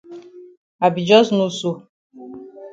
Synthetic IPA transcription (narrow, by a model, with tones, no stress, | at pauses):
a˨bi˨d͡ʒɔ˦znu˦su˨